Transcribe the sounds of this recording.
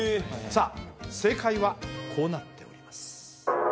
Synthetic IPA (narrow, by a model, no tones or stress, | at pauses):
saːse̞ːkaiβakʰo̞ːnat̪ʰːe̞o̞̰ɾʲimasɨ̥